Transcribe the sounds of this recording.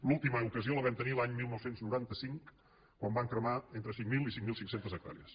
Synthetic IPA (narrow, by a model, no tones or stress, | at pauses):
lulˠt̪iməukəzioləβɛmt̪ənilaɲmilˠnɔwsenznuɾant̪əsiŋk | kwambaŋkɾəmaent̪ɾəsiŋmilˠisiŋmilˠsiŋksent̪əzək̚t̪a̰ɾḭəs